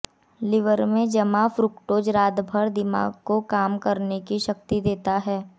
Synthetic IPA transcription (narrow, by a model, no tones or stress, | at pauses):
lɪʋəɾmẽd͡ʒɐmafɾʊkʈoːd͡ʒɾaːd̪bʱəɾd̪ɪma̰ːɡkokaːmkɐɾnekiʃɐkt̪id̪eːt̪aɦɛː